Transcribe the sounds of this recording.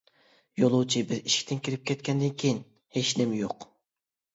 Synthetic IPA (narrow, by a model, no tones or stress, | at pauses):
jolˠuwt͡ʃʰibɪɾiʃkʲt̪ɪnkʲiɾɪp̚kʲʰɛt̪kʲʰɛnd̪ɪnkʲʰijin | heʃnɪmjoq